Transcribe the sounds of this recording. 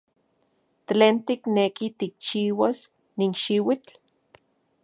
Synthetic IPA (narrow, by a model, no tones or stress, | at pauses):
t̪leːnt̪iknekit̪ik̚t͡ʃiːwas | ninʃiwit͡ɬ